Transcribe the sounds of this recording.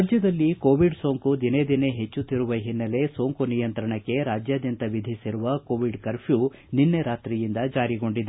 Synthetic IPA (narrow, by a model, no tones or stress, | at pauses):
ad͡ʒjɐd̪ɐlːikoːʋiɖso̞ːŋkud̪ine̞d̪ine̞ɦe̞t͡ʃːut̪ːiɾuʋɐɦinːɐle̞so̞ːŋkunijɐnt̪ɾɐɳɐkːe̞ɾaːd͡ʒjaːd̪jɐnt̪ɐʋid̪ʱisiɾuʋɐko̞ːʋiɖkɐɾpju | ninːeɾaːt̪ɾijind̪ɐd͡ʒaːɾiɡo̞ɳɖid̪